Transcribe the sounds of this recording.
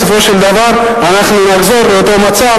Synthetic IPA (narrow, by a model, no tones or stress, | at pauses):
sofo̞ʃeld̪avaʁ | anaχnunaχzeʁbeot̪o̞mat͡sa